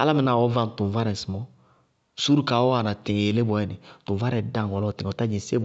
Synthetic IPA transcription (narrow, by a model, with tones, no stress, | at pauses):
a̰˦la˦mɪ˨na˨wɔ˦vã˦n˨tʊ̃˨va˦ɾɛ˨smɔ˦ | su˦ɾu˦ka˨ɔ˦a˨na˨tɪ̃˨e˨le˦bɔ˨ɛ˦nɪ˨tʊ̃˨va˦ɾɛ˨˦dã˨ŋ˨ɔ˨lɔ˦˨tɪ̃˨ɔ˨ta˦d͡ʒĩ˨se˦b